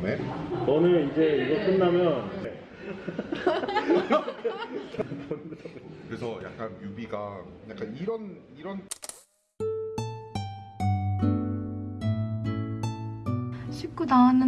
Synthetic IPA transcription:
net͡ɕʌnɯnid͡ʑe̞iɡʌk͈ɯnːamjʌnne | ʌnkɯɾe̞sʰʌja̰k͈anjubiɡajak͈aniɾʌniɾʌn | ɕʰip̚k͈unaanɯ

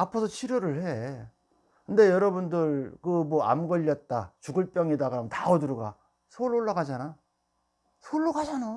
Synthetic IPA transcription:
apʰʌsʰʌt͡ɕʰiɾoɾɯɭhe̞ | kɯnde̞jʌɾʌbundɯɭkɯmwʌa̰mɡʌʎːʌt̚t͈at͡ɕuɡɯɭp͈jʌŋedaɡamtaoduɾuɡa | sʰoɭoɭːaɡad͡ʑana | sʰoɭːoɡad͡ʑana

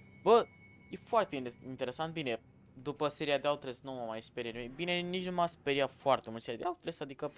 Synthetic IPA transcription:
bə | jefoart̪eint̪e̞ɾesant̪̚bine̞ | d̪upəse̞ɾiad̪eaut̪ɾesnuməmajspeɾienimejbine̞nit͡ʃnumaspeɾiat̪foart̪emult̪seɾjad̪eaut̪ɾesad̪ikə

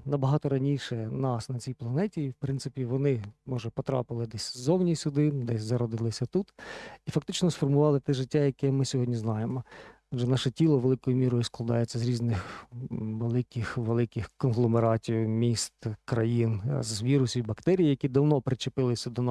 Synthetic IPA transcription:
nɐbɐɦɑt̪ɔɾɐnʲiʃɛnɑsnɐt͡sʲijplˠɐnɛtʲiwpɾɪnsɪpʲiʋɔnɪmɔʒɛpɔt̪ɾɑ̰pɪlˠɪd̪ɛsʲzɔwnʲisʲʊd̪ɪd̪ɛsʲzɐɾɔd̪ɪlˠɪsʲɐt̪ut̪ifɐk̚t̪ɪt͡ʃnɔsfɔrmʊʋɑlˠɪt̪ɛʒɪtʲːajɐkɛmɪsʲɔɦɔdʲnʲiznɑjemɔɔdʒɛnɑʃɛtʲilˠɔʋelˠɪkɔjʊmʲiɾɔjʊsklˠɐd̪ɑjet͡sʲːɐzɾʲiznɪx | ʋelˠɪkɪxʋelˠɪkɪxkɔnɦlˠɔmeɾɑtʲijʊmʲist̪kɾɐjinzʋʲiɾʊsʲibɐkt̪ɛɾʲijijɐkʲid̪ɐwnɔpɾɪt͡ʃɪpɪlˠɪsʲɐd̪ɔnɑ

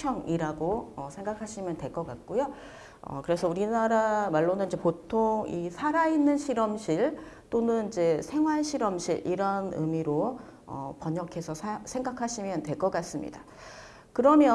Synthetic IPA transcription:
t͡ɕʰʌŋiɾaɡoʌsʰe̞ŋɡakʰaɕʰimjʌntwe̞ɭk͈ʌk͈at̚k͈ojo | ʌ̰kɯɾe̞sʰʌuɾinaɾamaɭːonɯnid͡ʑe̞potʰoŋisʰaɾainːɯnɕʰiɾʌmɕʰiɭt͈onɯnid͡ʑe̞sʰe̞ŋɦwaɭɕʰiɾʌmɕʰḭɾʔḭɾʌnɯ̰miɾo | ʌ̰pʌɲʌkʰe̞sʰʌsʰsʰe̞ŋɡakʰaɕʰimjʌnte̞ɭk͈ʌk͈as͈ɯmɲḭda | kɯɾʌmjʌ

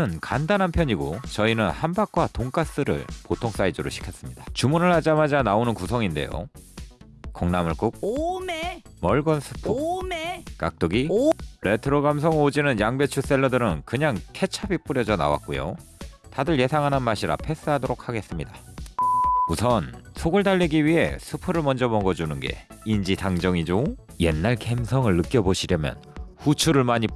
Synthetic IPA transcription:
ɯnkandanɦanpʰjʌɲiɡot͡ɕʌinɯnhambak̚k͈watoŋk͈as͈ɯɾɯ̰ɭpotʰoŋs͈aid͡ʑoɾo̰ɕʰi̥kʰjʌs͈ɯmɲidḁt͡ɕumunɯɭhad͡ʑamad͡ʑanaonɯnkusʰʌŋinde̞̰jo̰ | kʌŋnamɯɭk͈uk̚me | mʌɭɡʌnsʰɯ̥pʰuekak̚t͈oɡiɭe̞tʰɯɾoɡams̬ʰʌŋod͡ʑinɯnjaŋbe̞t͡ɕʰus͈e̞ɭːʌdɯɾɯnkɯɲaŋtʰe̞t͡ɕʰabip͈uɾjʌd͡ʑʌna̰wa̰k̚k͈ojo̰tadɯɭje̞sʰaŋɦananmaɕʰiɾa̰pʰe̞s͈ɯɦadoɾok̚ʰhaɡe̞s͈ɯmɲida | usʰʌnsʰoɡɯɭdaʎːiɡiɥiɦe̞̰sʰupʰɯɾɯɭmʌnd͡ʑʌmʌɡʌd͡ʑunɯnɡe̞̰ | ind͡ʑitaŋd͡ʑʌŋid͡ʑoje̞̰nːaɭke̞msʰʌŋɯɭːɯk͈jʌboɕʰiɾjʌmjʌ̰nɸut͡ɕʰuɾɯɭmaɲi

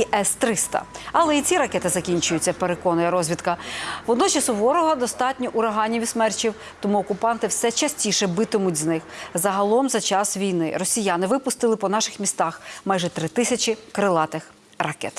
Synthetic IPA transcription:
iʔɛst̪ɾɪst̪ɐ̰ɐlˠɛit͡sʲiɾɐkɛt̪ɪzɐkʲinʲt͡ʃʊjʊt͡sʲːɐpeɾekɔnʊjɐɾɔzʲʋʲid̪kɐʋɔd̪nɔt͡ʃɐsʊʋɔɾɔɦɔd̪ɔst̪ɑtʲnʲɔʔʊɾɐɦɑnʲːiʋʲismɛrt͡ʃʲiw | t̪ɔmuɔkʊpɑnt̪ɪwsɛt͡ʃɐsʲtʲiʃɛbɪt̪ɪmʊtʲznɪxzɐɦɐlˠɔmzɐt͡ʃɑsʋʲijnɪ̰rɔsʲijanɪʋɪpʊst̪ɪlˠɪpɔnɑʃɪxmʲist̪ɑxmɑjʒɛt̪ɾɪt̪ɪsʲɐt͡ʃɪkɾɪlˠɑt̪ɪx | rɐkɛ̰t̪

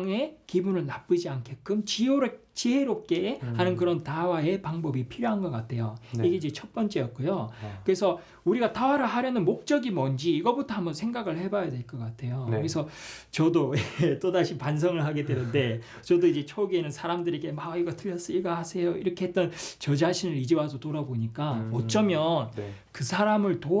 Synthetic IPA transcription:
ŋe̞kibunɯɭnap͈ɯd͡ʑiankʰe̞k͈ɯmt͡ɕioɾe | t͡ɕiɦe̞ɾop̚k͈ehanɯnkɯɾʌntawae̞paŋbʌbipʰiɾjoɦanɡʌk͈atʰe̞joiɡe̞id͡ʑe̞t͡ɕʰʌt̚p͈ʌnt͡ɕ͈e̞jʌt̚k͈ojokɯɾe̞sʰʌ | uɾiɡatawaɾɯɭɦaɾjʌnɯnmok̚t͡ɕ͈ʌɡimʌnd͡ʑiːɡʌbutʰʌɦhambʌnsʰeŋɡaɡɯɭhe̞bajadwe̞ɭk͈ʌk͈atʰe̞jokɯɾesʰʌ | t͡ɕʌdojet͈odaɕʰipans̬ʰʌŋɯɭɦaɡe̞dwe̞nɯnde̞ | t͡ɕʌdoid͡ʑe̞t͡ɕʰʌɡenɯnsʰaɾamdɯɾeɡe̞maiɡʌtɯʎːjʌs͈iɭɡahasʰe̞joḭɾʌkʰe̞ɦet͈ʌnt͡ɕʌd͡ʑaɕʰinɯɾid͡ʑiwasʰotoɾaboɲik͈aʌt͡ɕ͈ʌmjʌnkɯsʰaɾamɯɭto

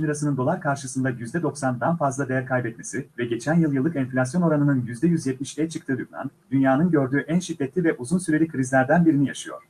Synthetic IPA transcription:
mʲiɾasɯnɯnd̪o̞lˠaɾkʰaɾʃɯsɯnd̪ajyzd̪ɛd̪o̞ksand̪anfazlˠad̪e̞jæɾkʰajbɛt̪mesivɛɟe̞t͡ʃʰænjɯlˠjɯlˠːɯkɛnflʲas̬jo̞no̞ɾanɯnɯnjyzd̪ɛjyzjɛt̪̚miʃejt͡ʃʰɯkt̪ʰɯːd̪ybla̰nd̪ynjaːnɯnɟø̞ɾd̪yːʔænʃid̪ːɛt̪lʲivɛʔuzunsyɾe̞lʲikʰɯɾizlʲæɾd̪ænbiɾinijaʃɯjo̞̰ɾ̥

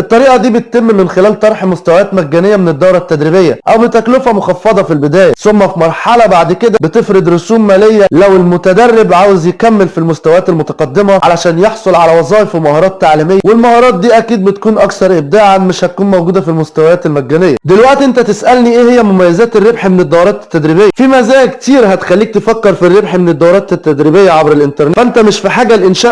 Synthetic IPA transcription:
ʔet̪ˤːɑɾiːʔɑd̪iːbet̪̚t̪emːmenxelæːlt̪ˤɑɾˤħmost̪æwæjæːt̪mæɡːænejːæmened̪ːɑwɾˤɑt̪ːæd̪ɾibejːæʔæwbet̪æklofæmoxɑfːɑd̪ˤɑfilbed̪æːjæsomːæfimɑɾˤħɑlɑbaʕd̪ked̪æbet̪efɾed̪ɾosuːmːæːlejːælæwelmot̪æd̪ɑrːebʕaːwezjekæmːelfilmoʊst̪æwæjæːt̪elmot̪ɑqɑd̪ːemæʕalæʃæːnjeħsˤolʕalæwɑzˤɑːjefemɑhɑːɾˤɑːt̪ːaʕliːmejːæwelmɑhɑːɾˤɑːt̪̚d̪iːʔækiːd̪̚bet̪kuːnʔɑkθɑɾˤʔeb̚d̪æːʕameʃhæt̪̚kuːnmæwɡuːd̪æfilmʊst̪æwæjæːt̪elmæɡːæːnejːæd̪elwæʔt̪ʔent̪æt̪esʔælniʔeːhejːæmomæjːæzæːt̪erːebħmened̪ˤːɑwɾˤɑːt̪e̥t̪ːæd̪ɾiːbejːæfimæzæːkt̪iːɾɦæt̪xælːiːk̚t̪efækːeɾfirːebħmened̪ˤːɑwɾˤɑːt̪et̪ːæd̪ɾiːbejːæʕabɾelʔɪnt̪ɑɾˤnʔnt̪æmɪʃfiħaːɡælʔɪnʃæːʔ

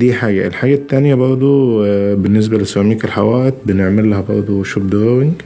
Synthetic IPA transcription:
d̪iːħaːɡæʔelħaːɡæt̪ːæːnjæbɑɾˤd̪ˤobenːes̬bælesæmiːkelħawæːʔet̪̚beneʕmelːæhæbɑɾˤd̪ˤoʃob̚d̪oɣwɪŋɡ

